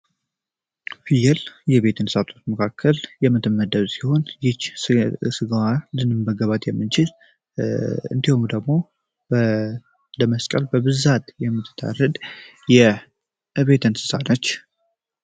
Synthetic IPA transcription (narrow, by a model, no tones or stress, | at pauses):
fijɛljɛβe̞t̪ʰɨnsat̪ʰʼot̪məkʰakʰːəljɛmɨt̪ʰɨmːəd̪əβsiho̞njɪt͡ʃːsɨɡwalɨnɨmbəɡəβat̪jɛmːɨnt͡ʃɪl | ɨ̰nd̪ihomd̪əɡmo̞ | bə | dəməskʼəlbəbɨzat̪jɛmːɨt̪ʰːɨ̥t̪ʰːa̰rəd̪ | jɛ | βe̞t̪ʰɨnsɨ̥sanət͡ʃː